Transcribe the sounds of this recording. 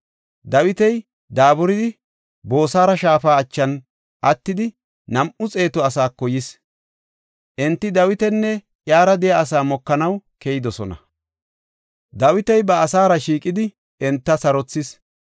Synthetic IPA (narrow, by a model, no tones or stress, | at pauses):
d̪ɐwɪt̪ɛj | d̪aːbʊɾɪd̪ɪ | bo̞ːsaːɾɐʃaːfaːt͡ʃːɐn | ʔɐt̪ːɪd̪ɪ | nɐmʔʊt͡sʼe̞ːt̪ɔɐsaːkːɔjɪs | ʔɛnt̪ːɪd̪ɐwɪt̪ɛnːɛ | ʔjaːɾɐd̪ɛjɐːs̬aːmɔkːɐnɐwkeːjɪd̪ɔsɔ̰nɐ̰ | d̪ɐwɪt̪ɛjbɐːsaːɾɐʃiːkʼɪd̪ɪ | ɛnt̪ːɐsɐɾɔt͡sːɪs